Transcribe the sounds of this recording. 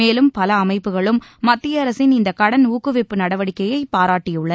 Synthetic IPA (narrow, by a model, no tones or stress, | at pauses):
eːlɯmpɐlɐːmɐɪpːɯɣɐɭɯmːɐt̪ːɪjɐɐɾɐsɪnɪnd̪ɐkɐɽɐnuːkːɯʋɪpːɯnɐɽɐʋɐɽɪkːɐjɐɪpːaːɾaːʈːɪjɯɭːɐ